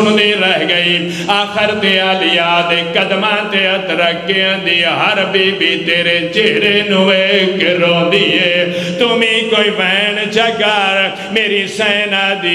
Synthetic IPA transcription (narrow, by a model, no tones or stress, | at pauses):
nd̪iːɾəɦɡəiː | aːkʰəɾt̪eːaːlɪjaːd̪eːkəd̪mãːt̪eːət̪ɾəkːeːə̃ːnd̪iːɦəɾbiːbiːt̪eːɾeːt͡ʃeːɦɾeːnũːekɾɔːd̪iːɦeːt̪ʊmĩːkoːiːʋɛːɳd͡ʒəɡaːɾ | meːɾiːsɛːnaːd̪iː